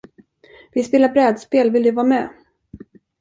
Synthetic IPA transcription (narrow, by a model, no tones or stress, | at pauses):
vɪspeːlabɾɛːd̪speːlvɪld̪ɵvɑːmɛ